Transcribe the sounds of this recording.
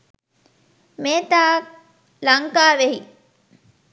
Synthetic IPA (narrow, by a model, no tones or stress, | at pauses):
meːt̪aː | lɐŋkaːʋeɦi